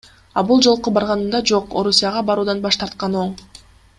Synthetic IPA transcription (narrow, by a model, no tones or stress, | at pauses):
ɑbulˠd͡ʒo̞lˠqubɑɾʁɑnɯnd̪ɑd͡ʒo̞qo̞ɾusʲijaʁɑbɑɾuːd̪ɑnbɑʃt̪ɑɾt̪̚qɑno̞ɴ